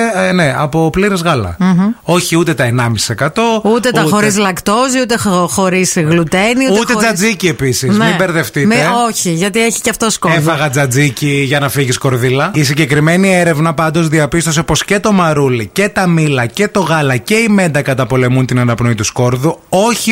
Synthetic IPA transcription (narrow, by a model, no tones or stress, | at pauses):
ne̞ɐ̰popliɾizɣɐlɐ̰mo̞çiut̪e̞t̪ɐenɐmisi̥e̞kɐt̪o̞uut̪et̪ɐuxoɾis̬lɐkt̪o̞ziut̪exo̞ɾisɣlut̪eniuet̪ed͡zɐd͡zicie̞pisiznmibe̞ɾðe̞ft̪ieoçiʝɐt̪ieçi̥ceɐft̪oskoefɐɣɐd͡zɐd͡ziciʝɐnɐfiʝisko̞ɾðilɐis̬iɲɟe̞kɾime̞nieɾe̞vnɐpɐnd̪o̞zðiɐpist̪o̞se̞po̞sce̞t̪o̞mɐɾulice̞t̪ɐmilɐce̞t̪o̞ɣɐlɐce̞ime̞nd̪ɐkɐt̪ɐpo̞le̞munt̪inɐnɐpno̞it̪usko̞ɾðuo̞çi